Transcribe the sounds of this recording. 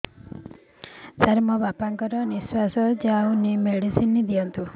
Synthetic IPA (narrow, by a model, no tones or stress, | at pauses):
saɾmɔbapaŋkɔɾɔniswasɔd͡ʒaunimeɽisinid̪ijɔnt̪u